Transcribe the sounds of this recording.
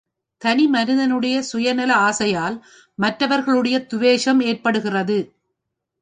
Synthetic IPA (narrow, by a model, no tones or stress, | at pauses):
t̪ɐnɪmɐnɪðɐnɯɽɐjɐsʊjɐnɐlɐaːsɐjaːl | mɐʈrɐʋɐɾɣɐɭɯɽɐjɐt̪ʊʋeːʂɐmeːrpɐɽɯɣɪrɐðɯ